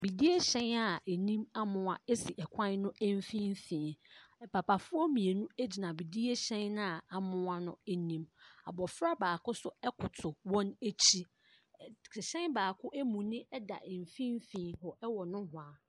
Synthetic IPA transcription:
bi˨di˦e˦ɕɛ̃˦na˨e˨nĩ˦ma˦mʊ̃˨a˨ɛ˦si˨ʔɛ˨kʷʰã˦n˦nʊ̃˦ʔæ˦m˦fĩ˦m˦fĩː˨nɛ˨pʰa˨pʰa˨fʊ˦ɔ˦mĩ˨e˨nũ˦æ˦d͡ʑi˨nã˨bi˨di˦e˦ɕɛ̃˦nːã˦a˨a˨mʊ̃˦a˦nʊ̰̃˦ɛ˨nĩ˦ma̰˨bɔ˨fɾa˦baː˨kʊ˦sʊ˦ɛ˦kʰʊ˨tʰʊ˨wɔ̃˦ne˦t͡ɕʰi˦ | kʰɪ˨ɕɛ̃˦nbaː˨kʰʊ˦ʔe˦mũ˨nɪ̃˦ɛ˦da̰˨m˨fĩ˦m˦fĩː˨hɔ˨ɛ˦wɔ˨nʊ̃˦hʊ̃˨a˨

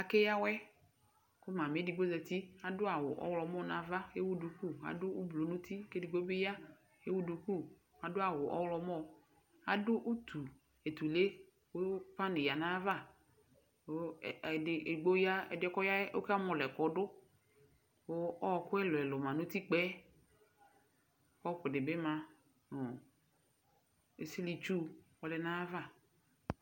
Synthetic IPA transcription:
a˨ke˦ja˦wɛ˦ | kʊ˦mã˨me˦di˨ɡ͡bo˦zɛ˨t̪i˦a˨dʊ˦a˨wʊ̰˨ʔɔ̰˦wlɔ˨˦mɔ˦˨nã˨˦va˦e˦wu˦du˨ku˦˨a̰˨dʊ˦u˦blo˨nũ˦t̪ʰi˦ke˦di˨ɡ͡bo˦be˦ja˦ | e˦wu˦du˨ku˦˨ | a˨dʊ˦a˨wʊ˨ʔɔ̰˦wlɔ˦mɔ˦˨ | a̰˨dʊ˦ʔu˦t̪ʰu˨ | e˨t̪u˨le˦ | wo˦pa˦nɪ˨ja˨nã˦va˦˨ | ɪ˨ʔe˨ɡ͡bo˦ja˦ɛ̰˨dɪ˦kɔ˦ja˦o˦ka˦m˦ɔ˨lɛ˨kɔ˨dʊ˦ | wo˦ɔ˦˨kʊ˦ɛ˦lʊ˨ɛ˨lʊ˨mã˨nʊ˦t̪i˦k͡pɛ˦ | kɔ˦ɸʊ˨dɪ˨bɪ˦mã˨ | nʊ˨ | e˨si˦li˨t͡ʃu˦ɔ˨lɛ˨nã˦va˦˨

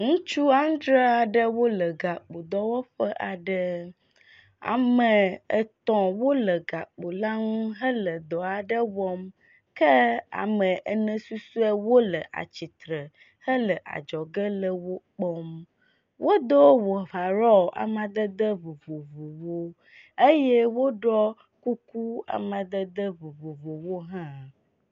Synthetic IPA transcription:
ŋũ˦t͡ʃu˦a˦ŋ̃˦d̪ɾe˦a˨ɖə˦wo˦lə˨ɡa˨k͡po˨d̪ɔ˦wo˦ɸə˦ʔa˨ɖə˦ | a̰˨mə˨ə˨t̪ɔ̃˨wo˦lə˨ɡa˨k͡po˨la˦ŋũ˦ɦə˦lə˨d̪ɔ˨a˨ɖə˦wɔ˦m | kə˦a̰˨mə̃˨ʔə˨nə̃˨su˦su˦ɛ˦wo˦lə˨ʔa̰˨t͡ɕi˨t̪ɾə˨ | hə˦lə˨ʔa̰˨d͡ʒɔ˨ɡə˦lə˦wo˦k͡pɔ˦m | wʔo˦d̪o˦wo˨va˨ɾɔ˦˨ʔa̰˨mã˨d̪ə˦d̪ə˦vo˨vo˨vo˨wo˦ | e˦je˦wo˦ɖɔ˦ | ku˦ku˦a̰˨mã˨d̪ə˦d̪ə˦vo˨vo˨vo˨wo˦ɦã˦

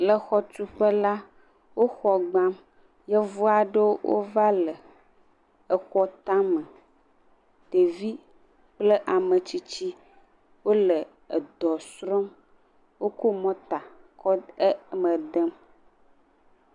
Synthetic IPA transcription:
lə˨xɔ˦t̪u˦ɸə˦la˦ | wo˦xɔ˨ɡ͡bã˦m | jɛ˦vu˦a˨ɖə˦wo˦wo̰˦va˦lə˨ | ə˨xɔ˦t̪ã˦mə̃˨ | t̪e˨vi˦ | k͡plə˦ʔa˨mə˨t͡ɕi˦t͡ɕi˦ | wo˦lə˨ | ə˨d̪ɔ˨sɾɔ˦m | wo˦ko˦mɔ̃˦t̪a˨kɔ˦ə˦mə̃˨d̪ə˦m

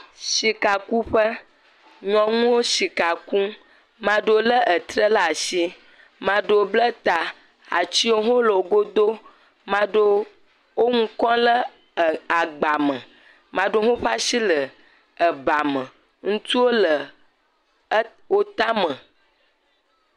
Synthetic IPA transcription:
ʃi˨ka˨ku˦ɸə˦ | ɲɔ̃˨ŋũ˦wo˦ʃi˨ka˨ku˦ | mã˨ɖə˨o˦lə˦ʔə˨t̪ɾə˦la˨ʃi˦ | mã˨ɖə˨wo˦blə˦t̪a˨ | a̰˨t͡ɕi˦wo˦ɦõ˦lə˨wo˨ɡo˦d̪o˦ | mã˦ɖo˦ | wo˦ŋũ˦kɔ̃˦lə˦˨ | a˨ɡ͡ba˨mə̃˨ | mã˨ɖo˦ɦõ˦ɸa˦ʃi˦lə˨ | ə˨ba˨mə̃˨ | ŋũ˦t̪u˦wo˦lə˨˦ | wo˦t̪a˦mə̃˨

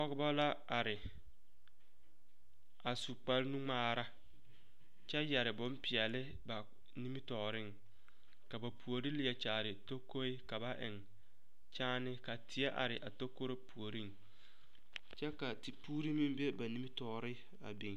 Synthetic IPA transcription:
ɔ˦ɣɪ˦ba˦la˦a˨ɾɪ˨ | a˨su˨k͡pa˦lnu˦ŋ͡maː˦ɾa˦ | t͡ʃɛ˦jɛ˨ɾɪ˨bʊ˨˦mpɪ˨ɛ˨lɪ˦ | ba˨ | ni˦mi˦tɔː˨ɾɪ˦˨ŋ | ka˨ba˨pʰu˨o˨ɾi˦lɪ˨˦ɛ˨t͡ʃaː˨ɾɪ˨to˦ko˦ɪ˦ka˨ba˦ʔɪ̰˨ŋ | t͡ʃaː˦nɪ˦ka˨tʰɪ˨˦ɛ˦ʔa̰˨ɾɪ˨ʔa̰˨to˦ko˦ɾe˦pu˨o˨ɾi˦ŋ | t͡ʃɛ˦ka˨ti˨puː˦ɾi˦mɪ˦m˦be˦ba˨ni˦mi˦tɔ˨˦ɾɪ˦ | a̰˨bi˨ŋ

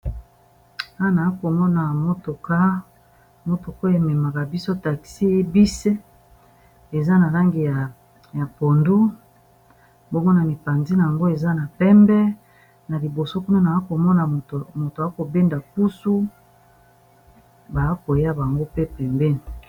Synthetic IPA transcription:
a˦˨na˨a˦ko˨mɔ˦na˨mo˦to˨ka˦ | mo˦to˨ko˦e˨mɛ˨ma˨ka˨bi˦so˦ta˨ki̥˨si˦e˦bi˦se˦ | e˨za˦na˨la˦ŋɡi˨ja˨ | ja˨po˨ndu˦ | bo˦mɔ˦na˨ni˨pa˨nzi˦na˨a˨ŋɡo˦e˨za˦na˨pɛ˦mbɛ˦ | na˨li˨bo˨so˦ku˦na˦na˨a˦ko˨mɔ˦na˨mo˨to˨a˦ko˨be˦nda˨ku˦su˦ | ba˨˦ko˨ja˦ba˨ŋɡo˦pe˦pɛ˨mbɛ˦ni˨

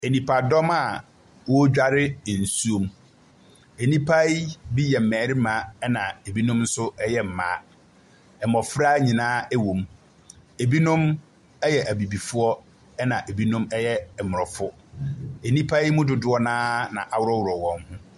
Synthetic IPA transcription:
e˨nĩ˨pʰa˨dɔ˦ma˦˨ | wɔ˦d͡ʑᶣa˦ɾɪ˦˨n̩˨su˦o˨m | e˨nĩ˦pʰa˦jbi˦jɛ˨m̩˨mɛ̃ː˨˦ɾɪ˦mã˨˦ɛ˦nã˨e˨bi˦nʊ̃˦mn̩˦sʊ˦ɛ˦jɛ˦m̩˨mã̰ː˨˦ | ɛ˨mɔ˨fɾaː˦ɲĩ˨nãː˦ɛ˦wõ˨m | e˨bi˦nʊ̃˦m | ɛ˦jɛ˨ʔæ˨bi˨bi˨fʊ˦ɔ˦ | ɛ˦nã˨ʔe˨bi˦nʊ̃˦mɛ˦jɛ˦˨mʊ˨ɔ˨fʊ˦ | e˨nĩ˦pʰa˦jmʊ̃˦dʊ˨dʊ˦ɔ˦nãː˦nã̰˨ʔa˨wʊ˦ɾɔ˦wʊ˨ɾɔ˨wɔ̃˨mhʊ̃˦

